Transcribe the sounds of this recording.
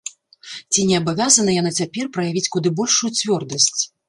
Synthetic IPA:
t͡sʲinʲɛɐbavʲazɐnɐjanat͡sʲapʲɛrpɾɐjavʲit͡sʲkud̪ɨbɔlʲʂujut͡sʲvʲɔrd̪ɐsʲt͡sʲ

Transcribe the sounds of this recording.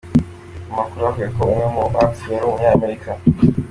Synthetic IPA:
umakuɾuavɡuekoumŋemuakseɾumuɲaːmeɾikʰa

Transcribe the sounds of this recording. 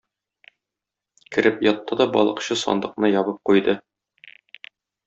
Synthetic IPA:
kɘ̆ɾɘpjɒt̪ːɑd̪ɒbɒ̰lˠɤ̆qɕɤsɒ̰nd̪ɤ̆qnɤjɒbɤp̚qujd̪ɤ

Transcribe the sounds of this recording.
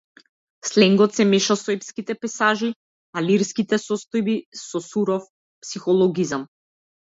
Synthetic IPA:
slɛŋɡɔt̪sɛmɛʃasɔɛpskit̪ɛpɛsaʒi | aliɾskit̪ɛsɔst̪ɔjbisɔsuɾɔf | psixɔlˠɔɡizam

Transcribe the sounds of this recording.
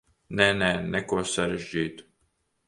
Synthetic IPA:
nɛnɛnɛkuɔsaɾɛʒd͡ʒiːt̪u̥

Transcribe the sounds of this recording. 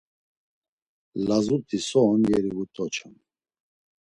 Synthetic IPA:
lazut̪ʰʼisɔːnjɛɾivut̪ʼɔt͡ʃʰɛn

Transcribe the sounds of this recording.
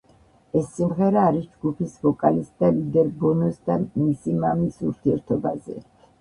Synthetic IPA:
ɛsːimʁɛɾaːɾisd͡ʒɡupʰisvɔkʼalisd̪alid̪ɛɾbɔnɔsd̪amisimamisuɾt̪ʰiɛɾt̪ʰɔba̰zɛ̰

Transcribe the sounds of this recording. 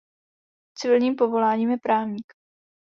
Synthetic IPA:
t͡sɪvɪlɲiːmpovo̞laːɲiːmjɛpɾaːvɲiːk

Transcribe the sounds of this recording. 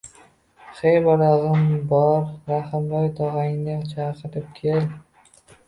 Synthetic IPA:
χejbɒɾɑʁɨmbɒɾɾahɪmbɒjt̪ʰɒʁɑŋnɪt͡ʃʰaɾqʰɨɾɪp̚kʲʰel

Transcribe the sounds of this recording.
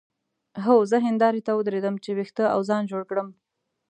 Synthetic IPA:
ɦowzəɦɪnd̪ɑɾit̪awəd̪ɾed̪əmt͡ʃewext̪əa̰wzɑnd͡ʒoɽkɽəm

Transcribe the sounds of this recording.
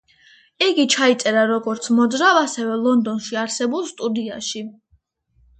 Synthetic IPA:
ɛɡit͡ʃʰait̪sʼɛɾaɾɔɡɔɾt̪sʰmɔd̪zɾavasɛvɛlˠɔnd̪ɔnʃiaɾsɛbulˠst̪ʼud̪iaʃi

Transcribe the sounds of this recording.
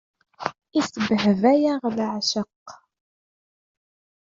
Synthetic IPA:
isbəɦvæjaʁlʕʃəqː

